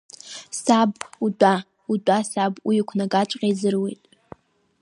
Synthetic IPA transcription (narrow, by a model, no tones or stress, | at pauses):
sabudʷʼa | udʷʼasabwikʷʰnaɡʼat͡ʃʷʼqʲʼejzɨrwejtʼ